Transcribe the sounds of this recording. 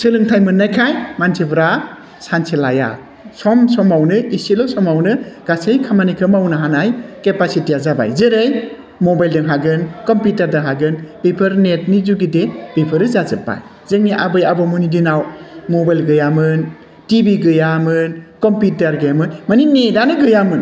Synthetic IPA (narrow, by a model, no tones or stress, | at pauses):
sɯlɯŋtʰajmɯnːajkʰajmansʰibʰɾa | sansʰelaja̰ | sɔmsɔmawnɯisilɔsɔmawnɯɡ̥asejkʰamanikʰɯmawnɯɦanajkepasitijazaba̰jzeɾɯj | mɔbajldɯŋɦaɡɯnkɔmpitaɾdɯŋɦaɡɯnb̥epʰɯɾnet̚nizuɡideb̥ipʰɯɾɯzazɯpːa̰j | zɯŋniʔabɯjabɔmunidinawmɔbajlɡɯjamɯn | tibiɡɯjamɯnkɔmpitaɾɡɯjamɯnmaninedanɯɡɯjamɯn